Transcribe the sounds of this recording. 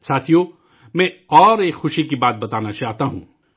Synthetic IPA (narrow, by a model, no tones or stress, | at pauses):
saːt̪ʰijo | mɛ̃ɔːɾeːkxʊʃikibaːt̪̚bɐt̪aːnat͡ʃaːɦt̪aɦũː